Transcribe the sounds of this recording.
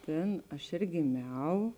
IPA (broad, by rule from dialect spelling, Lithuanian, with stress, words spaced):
ˈtʲeːn ˈɐʃ eːr ɡʲeːˈmʲɛʊ